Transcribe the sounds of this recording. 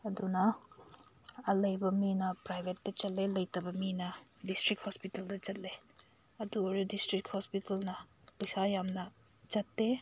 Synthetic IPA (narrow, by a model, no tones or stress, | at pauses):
ɐdunɐ | ɐlɐjbɐminɐpɾajbʱetːɐt͡ʃɐt̚lelɐjtɐbɐminɐdistɾik̚hospitɐldɐt͡ʃɐt̚le | ɐduoɾudistɾikhospitɐlnɐ | pujsajamnɐ | t͡ʃɐtːe